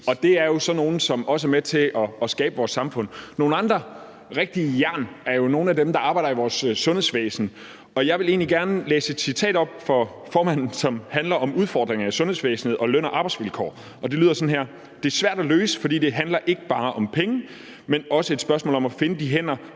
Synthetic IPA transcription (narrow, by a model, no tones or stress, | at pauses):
ɒ̽d̥e̝æɐjo̝sɒ̽no̝ːn̩sɒ̽mɒ̽s̬əæɐmet͡sʰe̝ʔɒ̽sɡ̥ɛːb̥əʋɒːsːɑ̈mfɔ̽n̰ːo̝ːn̩ɑ̈nd̥ʁɐ | ʁeɡ̥̚d̥ijæɐ̰næɐjo̝no̝ːn̩æd̥emd̥ɑ̈ɑ̈ːb̥ɑ̈ɪd̥ɐiʋɒːsːɔ̽nhesʋḛːsn̩ | ɒ̽jɑ̈ɪʋe̝le̝̰ːnliɡ̥æɐnəlḛːsəe̝d̥sit͡sʰɛ̰ːd̥ɒ̽b̥̚fɒ̽ | fɒːmæn̰n̩sɒ̽mhænlɐʔɒ̽muð̞ˠfɒ̰ːd̥ʁeŋɐæsɔ̽nhe̝̰sʋḛːsn̩eð̩ˠɒ̽løn̰ɐʔɑ̈ːb̥ɑ̈ɪdsʋilkʰɒ̰ː | ʔɒ̽d̥e̝lyðˠɐsɒ̽n̩ɦæɐ̰ | d̥e̝æɐsʋæɐ̰d̥æløːsə̥fɒdḭːd̥e̝ɦænlɐʔe̝ɡ̥əb̥ɑ̈ːʔɒ̽mpʰeŋə | menɒ̽səe̥sb̥ɶɐsmɔ̰ːlɒ̽mæfe̝nəd̥iɦen̰ɐ